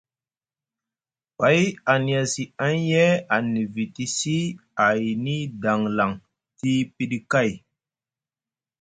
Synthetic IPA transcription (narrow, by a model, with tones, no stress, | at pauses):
pa˨˦ja˨ni˨a˨si˨a˦n˦jɛ˦a˨ni˨vi˨ti˦si˦a˨jni˦da˨ŋla˨ŋ | ti˦pi˦ɗi˦ka˦˨j